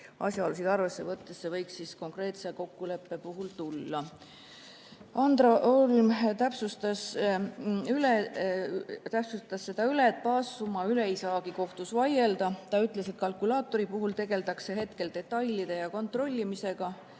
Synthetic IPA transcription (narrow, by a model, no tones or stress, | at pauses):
ɑ̰sjɑoːlusid̪ɑrve̞sːe̞vɤt̪ːesːevɤjksːisko̞ŋkre̞ːt̪seko̞kːule̞pːe̞puɦult̪ulːɑ | ɑnd̪̥rɑʔolmt̪æpsust̪ɑs | yle | t̪æpsust̪ːˑɑsːe̞d̪̥ɑylet̪̚pɑːsːumɑyleijsɑːɡiko̞ht̪usvɑje̞ld̪̥ɑt̪ɑyt̪ˑle̞se̞t̪̚kɑlkulɑːt̪ːˑo̞ɾipuɦult̪e̞ɡ̥e̞lt̪ɑkse̞ɦe̞t̪ke̞ld̪̥e̞t̪ːˑɑjlid̪̥e̞jɑko̞nt̪ro̞lʲːimise̞ɡ̥ɑ